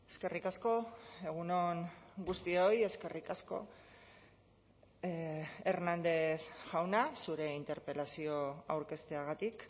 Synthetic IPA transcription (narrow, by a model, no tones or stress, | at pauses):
eske̞rikasko̞e̞ɣ̞uno̞ŋɡust̪io̞je̞ske̞rikasko̞̰ | eɾnand̪e̞θʝawnasuɾe̞int̪e̞ɾpe̞lasio̞awɾke̞st̪e̞aɣ̞at̪ik